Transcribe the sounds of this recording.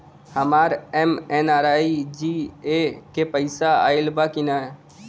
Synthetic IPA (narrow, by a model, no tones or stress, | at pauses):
həmaːɾɛmɛnaːɾaːid͡ʒiekepəɪsaa̰ːɪlbakina